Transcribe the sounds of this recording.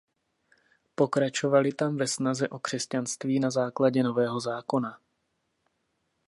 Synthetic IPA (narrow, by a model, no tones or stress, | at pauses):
po̞kɾat͡ʃo̞valɪt̪amvɛsnazɛʔo̞kr̝̥ɛscanst̪viːnazaːklaɟɛnovɛːɦo̞zaːko̞na